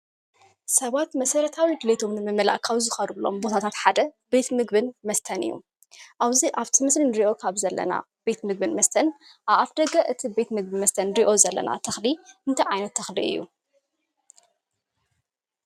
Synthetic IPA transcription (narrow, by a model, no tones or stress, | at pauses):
sɐβat̪mɐsɐɾɐt̪ʰawid̪ɨlet̪ʰo̞mnɨmɨmːɐla̰ʔkʰawzɨxɐɾlo̞̰mbo̞t̪ʰat̪ʰat̪ħad̪ɐ | be̞t̪mɨɡbɨnmɐst̪ʰɐnɨ̰jːṵ | ʔaβziʔaβt̪ʰimɨslinɨɾiʔo̞kʰaβzɐlːɐ̰na̰ | b̥e̞t̪mɨɡ̚bɨnmɐst̪ʰɐn | ʔaβafd̪ɐɡɐʔɨt̪ʰibe̞t̪mɨɡ̚bimɐst̪ʰɐnɾiʔo̞zɐlːɐ̰na̰t̪ʰɐxliʔɨnt̪ʰɐʕajnɐt̪ʰːɐxliʔɨ̰jːṵ